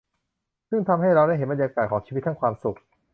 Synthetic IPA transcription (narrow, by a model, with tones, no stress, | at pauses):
sɯ˥˩ŋt̪ʰa˧mha˥˩jɾa˧wda˥˩jɦe˩˦nba˧njaː˧kaː˨˩kʰɔː˩˦ŋt͡ɕʰiː˧i˦˥t̪ːʰa˥˩ŋkʰwaː˧msu˨˩k̚